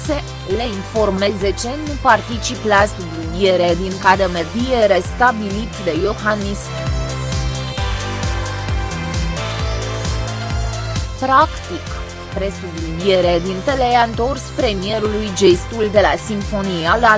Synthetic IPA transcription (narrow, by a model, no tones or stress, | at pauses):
se | leinfo̞rme̞zet͡ʃenupart̪it͡ʃiplasublinieɾed̪iŋkad̪emerd̪ijeɾest̪abilit̪d̪e̞joxanist | pɾakt̪ik | pɾe̞sublinjeɾed̪int̪elejant̪o̞rspɾe̞mije̞ɾulujd͡ʒest̪uld̪e̞lasiɱfo̞nijala